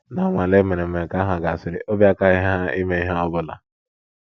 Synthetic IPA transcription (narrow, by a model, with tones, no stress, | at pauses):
na˨˦ŋʷa˨le˦me˨ne˨m̩˨me˨ka˨˦ɦa˨ɡa˨a˨sɪ˨ɾɪ̰˨ʔo˦bja˦ka˦ɪ˦ɦa˦a˦i˦me˦i˦ɦa˦ɔ˦bʊ˦la̰˨